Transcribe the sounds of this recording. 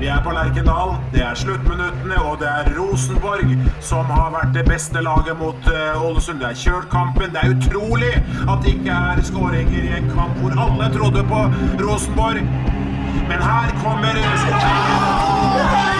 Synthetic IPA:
d̪ɛæɾpɔlɑɾɡɪnɑːld̪ɛæɾʂɭʉt̪ːmɪnʉt̪ːənəɔd̪ɛæɾːuːsnbɔɾɡsɔmhɑɾʋæʈ̚ːd̪ɛbɛst̪əlɑːɡəmʊt̪ɔlːəsʉmd̪ɛæɾçøːʈkʰɑmpənd̪ɛæɾʉt̪ʰɾuːlɪɑt̪ːɪkːəhæɾskoːɾɛŋːəɾɪɛŋkʰɑmpʋʊɾɑlːət̪ʰɾʊd̪ːəpɔɾuːsnbɔɾɡ | mɛnhæːɾkʰɔmːəɾsɔʈɛə

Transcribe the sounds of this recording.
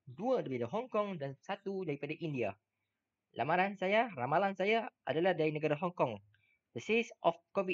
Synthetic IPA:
duadaɾipadaɦɔŋkɔŋdansat̪udaɾipadaʔindia | lʔa̰maɾansajaramalansajaʔa̰dalahdaɾinə̃ɡaɾaɦɔŋkɔŋ | dəsesʔɔfkɔvi

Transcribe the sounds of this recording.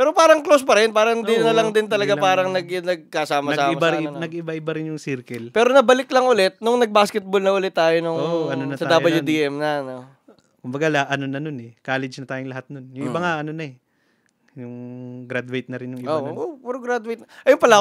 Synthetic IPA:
pɛːɾopaːɾɐŋklospɐɾɪnpaːɾɐnd̪ɪnɐlɐŋd̪ɪnt̪̬ɐlɐɡapaːɾɐŋnɐɡnɐɡ̚kɐsaːmɐsaːmɐbanɐɡɪbaʔɪbaɾɪnjʊŋsiɾkɐlpɛːɾonɐbɐlɪklɐŋʔʊlɛt̪̚nʊŋnɐɡ̚baːskɛt̪̚bolnɐʔʊlɛt̪ːaːjonʊŋoɐnonɐtsɐd̪abɐljund̪iʔɛmnɐno | kʊmbɐɡalɐʔɐnonɐnonɛkaːlɛd͡ʒnɐt̪aːjʊŋlɐhat̪̚nonjʊŋɪbaŋaʔɐnonɐɛ | jʊŋɡɾad̪wejt̪̚nɐɾɪnjʊŋɪʔoʔopɛɾoɡɾad̪wejt̪̚nʔɐjʊmpɐla

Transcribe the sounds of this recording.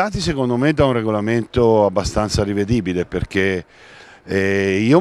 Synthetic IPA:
aːt̪is̬ekond̪omed̪aunreɡolament̪oabːast̪ant̪saɾived̪iːbileperk̟e | iːo

